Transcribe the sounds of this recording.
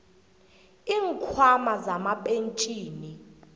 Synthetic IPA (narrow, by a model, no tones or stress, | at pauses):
iːŋkʰwamazamaɓent͡ʃʼiːni